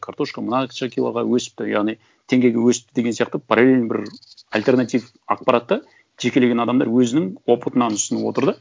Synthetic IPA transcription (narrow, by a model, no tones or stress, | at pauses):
kʰaɾt̪o̞ʃkəmənɑt͡ʃakʲijlˠɑ̰ʁɑ̰wɵsɪ̥p̚t̪ɪjɑ̰ʁnij | t̪ʰe̞ŋɡʲe̞jɡʲewɵsɪp̚t̪ɪd̪e̞ɡ̪ʲsijɑq̚t̪əpʰaɾalʲelʲnbɪɾ | alʲt̪e̞rnat̪ijv | a̰q̚pɑɾat̪ːə | ʒe̞kʲe̞le̞ɡʲe̞nɑd̪ɑmd̪ɑɾwɵzɪnɪŋwopət̪ənɑnʊsənuwo̞̰t̪əɾd̪ə